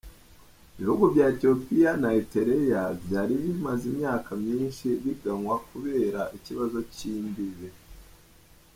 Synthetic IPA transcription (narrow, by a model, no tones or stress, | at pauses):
iβihuɡuvɟaetio̞pijanaeteɾejavjaːɾiβimazimɲaːkamɲiːnʃiβiɡaŋwakuβe̞ːɾaʔiciβazo̞ciːmbiβe